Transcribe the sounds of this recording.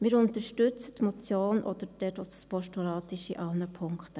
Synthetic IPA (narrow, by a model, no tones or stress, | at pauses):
mɪːɾʊnt̪əɾʃtʏt͡sətmɔt͡sjoːnʔɔd̪əɾd̥ɛdɔdspɔʃtulɑːt̪ɪʃiʔɑlnəpʰʊŋkt